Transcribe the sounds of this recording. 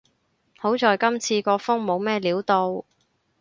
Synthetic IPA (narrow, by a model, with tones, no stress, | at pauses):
ho˨˥wt͡sɔː˨jkɐ˥mt͡sʰiː˧kɔː˧fʊ˥ŋmo˨˧wmɛː˥liː˨˥wt̪o˧w